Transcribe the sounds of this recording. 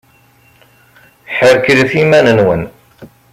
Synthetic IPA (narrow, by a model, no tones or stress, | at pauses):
ħəɾkɾiθimænənwən